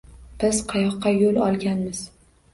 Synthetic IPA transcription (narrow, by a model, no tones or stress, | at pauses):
b̥ɪzqʰɑjɒqːɑjolɒlˠɡʲanmɪz̥